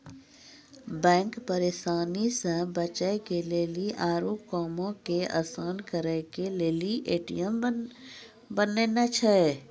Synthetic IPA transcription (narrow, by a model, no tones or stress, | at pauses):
bɛ̃ːŋkpəɾeːsaːnisə̃bət͡ʃəekeleːliʔaːɾoːp̚kɔːmõkeʔa̰ːsaːnkəɾəkeleːliʔeːʈḭjəm | bənenat͡ʃʰəe